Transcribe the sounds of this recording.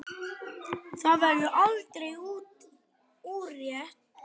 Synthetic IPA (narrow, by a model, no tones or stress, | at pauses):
θavɛɾðʏʔalt̪ɾɛjuːt̪ | uːrjɛht̪̚